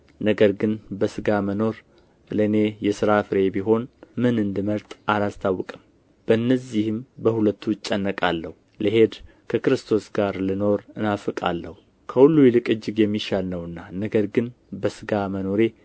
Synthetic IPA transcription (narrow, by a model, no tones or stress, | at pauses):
nəɡəɾɡɨnbəsɨɡaməno̞ɾ | ləɨne̞jɛsɨɾafɨɾe̞biɦo̞nmɨnɨnd̪ɨməɾt̪ʼalast̪ʰawːɔkʼɨm | b̥əɨnːəzihɨmbəhulət̪ʰːuɪt͡ʃʼːɛnːəkʼalːəhu | ləɦe̞d̪ | kʰəkɨɾɨst̪ʰo̞sɡaɾlɨno̞ɾɨnafɨkʼa̰lːəhu | kʰəhulːujlɨkʼɨd͡ʒːɨɡjɛmːiʃalnəwɨnːanəɡəɾɡɨn | bəsɨɡaməno̞ɾe̞